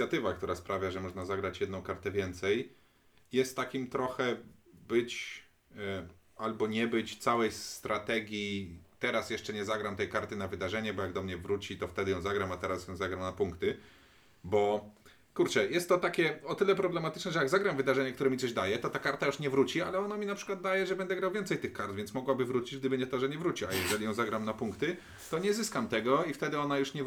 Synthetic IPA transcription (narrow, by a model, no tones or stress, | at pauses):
sʲjat̪ɘvakt̪uɾaspɾavʲjaʐɛmɔʐnazaɡɾat͡ɕjɛd̪nɔ̃w̃kaɾt̪ɛvʲjɛnt̪sɛj | jɛst̪ːakʲimt̪ɾɔxɛbɘt͡ɕ | albɔɲɛbɘt͡ɕt̪sawɛjst̪ɾat̪ɛɡʲjit̪ɛɾasjɛʂt͡ʂɛɲɛzaɡɾamt̪ɛjkaɾt̪ɘnavɘd̪aʐɛɲɛbɔjaɡd̪ɔmɲɛvɾut͡ɕit̪ɔft̪ɛd̪ɘjɔ̃w̃zaɡɾamat̪ɛɾasjɔ̃w̃zaɡɾamnapuŋkt̪ɘ | bɔ | kuɾt͡ʂɛjɛst̪ːɔt̪akʲɛɔt̪ɘlɛpɾɔblɛmat̪ɘ̥t͡ʂnɛʐɛjaɡzaɡɾamvɘd̪aʐɛɲɛkt̪uɾɛmʲit̪sɔʑd̪ajɛt̪ɔt̪akaɾt̪ajuʂɲɛvɾut͡ɕialɛɔnamʲinapʂɘ̥kwad̪̚d̪ajɛʐɛbɛnd̪ɛɡɾawvʲjɛnt̪sɛjt̪ɘxkaɾtd̪vʲjɛntsmɔɡwabɘvɾut͡ɕid͡ʑɡd̪ɘbɘɲɛt̪ɔʐɛɲɛvɾut͡ɕiajɛʐɛlʲijɔ̃w̃zaɡɾamnapuŋkt̪ɘ | t̪ɔɲɛzɘskamt̪ɛɡɔift̪ɛd̪ɘɔnajuʂɲɛ